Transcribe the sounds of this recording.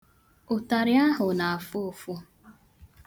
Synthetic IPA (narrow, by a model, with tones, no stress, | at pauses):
ʊ˨ta˨ɾɪ˦a˦ɦʊ˨na˨a˨fo˦˨fʊ˦